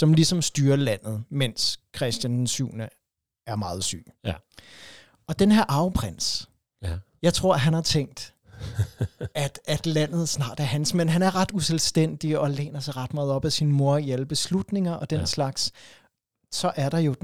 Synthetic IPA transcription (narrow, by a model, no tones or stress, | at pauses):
sɒ̽mlisɒ̽msd̥yːɐlæn̰ð̞̩ˠmen̰skʰʁɛsd̥jænsṵːnə | æɐmɑ̈ːð̞̩ˠsy̰ː | ɒ̽d̥enheɐ̰ʔɑ̈ʊpʰʁen̰s | jɑ̈ɪt͡sʰʁo̝ɐ̰ɦænhɑ̈t͡sʰeŋ̰d̥ | æd̥æd̥læn̰ð̩ˠsnɑ̰̈ːd̥æɐhɦænsmenɦænæɐʁɑ̈d̥uselsd̥en̰d̥iɒ̽lḛːnɐsɑ̈ɪʁɑ̈d̥mɑ̈ːð̩ˠɒ̽b̥æsinmo̝ɐ̰iæləb̥e̝slud̥ne̝ŋɐʔɒ̽d̥enslɑ̈ɡ̥s | sɒ̽ʔæɐɾ̥ɑ̈jo̝